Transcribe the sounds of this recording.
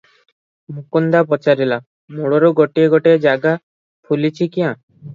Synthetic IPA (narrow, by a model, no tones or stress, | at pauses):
mukund̪apɔt͡ʃaɾila | muɽɔɾoɡɔʈieɡɔʈed͡ʒaɡa | pʰulit͡ʃʰikiã